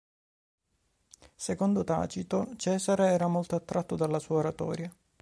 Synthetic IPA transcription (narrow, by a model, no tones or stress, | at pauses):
sekond̪ot̪a̰ːt͡ʃit̪ot͡ʃɛːzaɾeɛːɾamolt̪oat̪ːɾʔat̪ːod̪alːasuːaoɾat̪ɔ̰ːɾja